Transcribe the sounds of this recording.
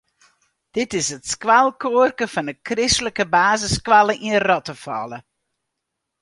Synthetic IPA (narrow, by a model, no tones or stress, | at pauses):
d̥ɪtɪsətskʋalˠkoːrkəfɑndəkrɪstləkəbaːzəskwalˠəʔinərɔtəfɔ̰lə